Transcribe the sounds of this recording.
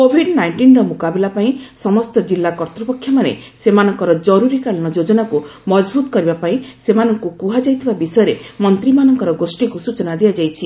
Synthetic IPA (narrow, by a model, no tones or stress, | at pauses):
kobʱiɖnajɳʈinɾɔmukabilapaĩsɔmɔst̪ɔd͡ʒilːakɔɾt̪ɾɔpɔkʰːjɔmanḛ | semanɔŋkɔɾɔd͡ʒɔɾuɾikaɭɔñɔd͡ʒod͡ʒɔnakumɔd͡ʒbʱut̪ɔ̥kɔɾibapaĩsemanɔŋkukuɦad͡ʒajt̪ʰibabisɔjɔɾemɔnt̪ɾimanɔŋkɔɾɔɡosʈikusut͡ʃɔnad̪iad͡ʒajt͡ʃʰi